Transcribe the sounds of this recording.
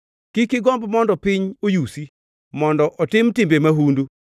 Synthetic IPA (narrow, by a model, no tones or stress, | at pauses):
kikɪɡɔmbmɔndɔpɪɲojusi | mɔndɔʔɔtɪmtɪmbemaɦundu